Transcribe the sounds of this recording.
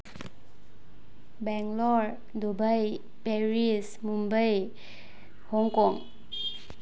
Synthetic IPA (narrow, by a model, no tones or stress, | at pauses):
bɛŋlɔɹ | dubaj | peɹismumbaj | hɔŋkɔŋ